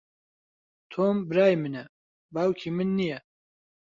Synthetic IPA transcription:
t̪ʰoːmbɨɾaːjmɨnɛ | baːwkʰiːmɨnːijɛ

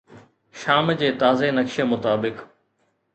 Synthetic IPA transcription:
ʃaːmd͡ʑeːt̪aːzenɐkʃemʊt̪aːbɪk

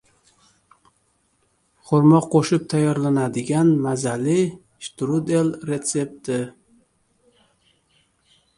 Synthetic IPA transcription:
χʊɾmɒqqʰːoʃɪp̚t̪ʰajɒɾlanad̪ɪɡʲanmazalɪ | ʃt̪ɾud̪elɾe̞t̪se̞p̚t̪ɪ

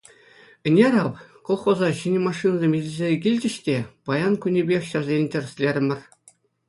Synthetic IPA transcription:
ɘ̆nʲerɑʋkolˠχozɑɕinʲɘmɑʂːɨnɑzʲemʲilʲɘzʲekʲilʲd͡ʑʲɘ̆ɕtʲepɑjɑnkunʲebʲexʲɕɑ̆rzʲenʲtʲɘ̆r̆ʲsʲlʲerʲɘ̆mʲɘ̆rʲ

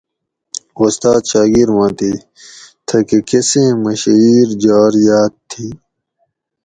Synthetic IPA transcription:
ost̪aːt̪ɕaːɡiɾwãːt̪iː | t̪ʰɐkekesẽːmɐɕiːɾd͡ʑaːɾijaːt̪ʰːiː

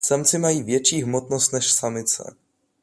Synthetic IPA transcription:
samt͡sɪmajiːvjɛt͡ʃiːɦmot̪nost̪nɛʃsamɪt͡sɛ̰

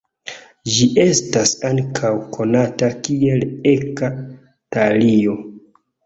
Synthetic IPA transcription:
d͡ʒiʔe̞stasaŋkʰawkʰo̞natakie̞le̞ka | talio̞

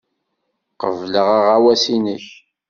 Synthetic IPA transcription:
qəvləʁaʁawæsinəç

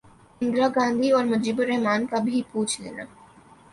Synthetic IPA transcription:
ɪ̃nd̪ɾaɡãːnd̪ʱiɔːɾmɐd͡ʒiːbʊɾɛɦmaːnkabʱipuːt͡ʃʰlḛːna̰ː

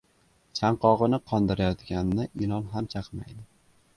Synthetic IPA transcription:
t͡ʃʰaɴqɒʁɨnɪqʰɒnd̪ɪɾajɒt̪kʲanɪnɪʔɪlˠɒmɦamt͡ʃʰaqmajd̪ɪ

